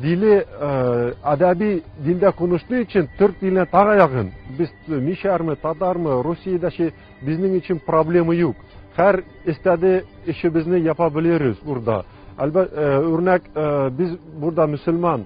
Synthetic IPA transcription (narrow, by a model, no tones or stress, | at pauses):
d̪ilɘ | æd̪æbid̪ild̪æqunɤ̆ʃt̪ˠɤɵ̆ɕɘnt̪ɵɾt̪̚d̪ilɘnæt̪ɑʁɤjɑʁɤnbɘzmiʃæɾmɘt̪ɒt̪ɑɾmɤɾusʲːijəd̪æɕɘ | bɘ̆znɘŋɵ̆ɕɘnproblʲe̞mɤjuq | hæɾ | ɘ̆st̪æd̪ɘ | ɘ̆ɕɘ̆bɘ̆znɘjɑpɑbɘ̆lɘɾbɘzuɾd̪ɑ̰ | ælbæt̪ʉɾnækbɘzbuɾd̪ɑmɵ̆sɵ̆lmɑn